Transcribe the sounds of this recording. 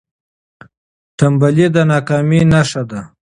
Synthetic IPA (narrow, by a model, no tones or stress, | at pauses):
ʈambalid̪anɑːkɑːminaʂad̪a